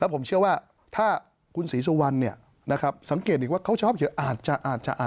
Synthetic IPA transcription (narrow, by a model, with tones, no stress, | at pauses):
lɛ˦˥wpʰo˩˦mt͡ɕʰɯ˥˩əwaː˥˩ | t̪ʰaː˥˩ | kʰu˧nsiː˩˦su˧wa˧nːi˥˩ɐ | na˦˥kʰɾa˦˥p̚sa˩˦ŋkeː˨˩t̪̚ʔiː˨˩kwaː˥˩kʰa˥wt͡ɕʰɔː˦˥p̚kʰi˩˦ʔaː˨˩t̪̚t͡ɕa˨˩ʔaː˨˩t̪̚t͡ɕa̰˨ʔaː˨˩